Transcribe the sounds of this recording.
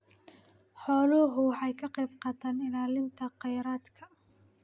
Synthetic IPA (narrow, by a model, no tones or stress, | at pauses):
ħɔːlɔɦʊħɑjkʰɐqɑjbqɑːt̪ʰaːnɪlaːlɪnt̪ʰɐqɑjɾaːd̪kʰɐ